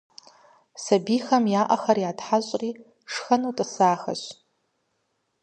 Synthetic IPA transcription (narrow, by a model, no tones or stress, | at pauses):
sabixɐmjaːʔaxɐrjatħaɕʷʼri | ʂxɐnutʼasaːxa̰ʃʷ